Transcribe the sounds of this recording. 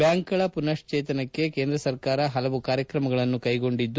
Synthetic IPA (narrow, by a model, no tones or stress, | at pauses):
baːŋkɐɭɐpunɐʂt͡ʃeːt̪ɐnɐkːe̞ke̞ːnd̪ɾɐsɐɾkaːɾɐɦɐlɐʋukaːɾjɐkɾɐmɐɡɐɭɐnːukɐjɡo̞ɳɖid̪ː